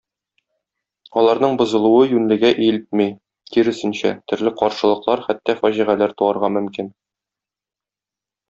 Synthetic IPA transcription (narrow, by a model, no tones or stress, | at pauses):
ɒlˠɑɾnɤɴbŏzɤ̆lˠuɤjʉnlɘ̆ɡæʔijlɘt̪mij | t̪iɾɘ̆sɘ̆nɕæ̰t̪ɵ̆ɾlɘqɒɾʃɤ̆lˠɤ̆qlˠɑɾχæt̪ːæfæʑiʁælæɾt̪uɑɾʁɑmɵ̆mkin